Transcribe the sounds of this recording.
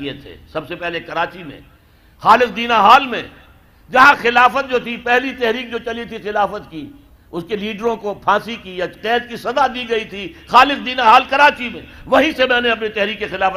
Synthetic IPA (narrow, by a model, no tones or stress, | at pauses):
iet̪ʰḛsɐbsepɛɦlekɐɾaːt͡ʃimḛ̃ | xaːlɪqd̪iːnaɦaːlmḛ̃ | d͡ʒɐɦãxɪlaːfət̪̚d͡ʒoːt̪ʰipɛɦlit̪ɛɦɾiːk̚d͡ʒoːt͡ʃɐlit̪ʰixɪlaːfət̪ki | ʊskeliːɖɾõkopʰãːsikiɐqɛːd̪kisɐd̪ad̪iːɡɐit̪ʰixaːlɪq̚d̪iːnaɦaːlkɐɾaːt͡ʃimḛ̃ʋɐɦĩsemɛ̃ːneɐp̬nit̪ɛɦɾiːkːexɪlaːfə